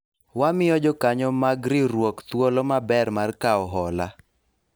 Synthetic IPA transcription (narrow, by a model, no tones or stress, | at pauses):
wamɪɔd͡ʒɔkaɲɔmaɡɾiɾwokt̪wolɔmabɛrmarkaɔɦɔla